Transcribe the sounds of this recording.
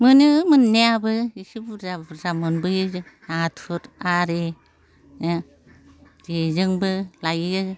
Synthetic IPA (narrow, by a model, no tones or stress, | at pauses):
mɯnɯmɯnːeabɯisibzazamɯnbɯjɯzɯnatʰuɾaɾe | d͡ʒezɯŋbɯlajɯ